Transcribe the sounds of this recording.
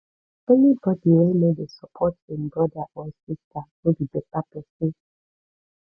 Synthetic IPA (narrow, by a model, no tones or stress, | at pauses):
ɛnibɔdiolimedesəpʰɔtɪ̃nbɹɔdaʔɔsistʰanobibek͡papɛsɪ